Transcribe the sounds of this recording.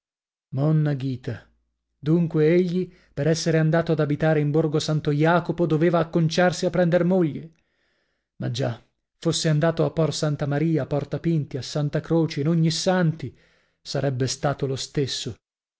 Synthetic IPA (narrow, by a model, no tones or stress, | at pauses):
mɔnːaɡiːt̪a | d̪uŋkweeʎːi | peɾɛsːeɾeand̪aːt̪oad̪abit̪aːɾeimborɡosant̪ojaːkopod̪oveːvaːkːont͡ʃarsiapːɾɛnd̪ermoʎːe | mad͡ʒːa | fosːeand̪aːt̪oapːɔrsant̪amaɾiːaːpɔrt̪apint̪iasːant̪akɾoːt͡ʃeːnoɲːisant̪i | saɾɛbːest̪aːt̪olost̪esːo